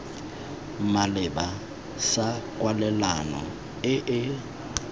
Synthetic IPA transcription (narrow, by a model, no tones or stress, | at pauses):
malɪba | sakʼwalɛlanɔ̰ | ɪʔɪ